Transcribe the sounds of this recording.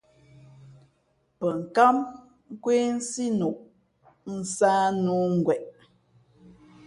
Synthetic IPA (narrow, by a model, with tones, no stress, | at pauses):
pə˨ŋ̩˨ka˦m | ŋ̩˦kwe˦n̩˦si˦nu˨ʔ | n̩˨˦saː˦nu˦ŋ̩˨ɡwɛ˨ʔ